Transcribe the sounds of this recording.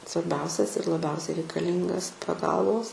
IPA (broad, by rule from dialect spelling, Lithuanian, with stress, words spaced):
sʋɐrʲˈbʲɛʊsʲɛs ɪr lˠɐˈbʲɛʊsʲɛɪ rʲɛɪkɐˈlʲiːŋɡɐs pɐˈɡɐlˠʋoːs